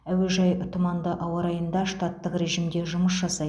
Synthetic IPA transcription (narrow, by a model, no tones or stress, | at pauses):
æweʒɑjʊt̪ʰʊmɑnd̪əʔɑwɑɾɑjənd̪ɑʃt̪ɑt̪ːəqɾe̞ʒimd̪e̞ʒʊməsʒɑsɑ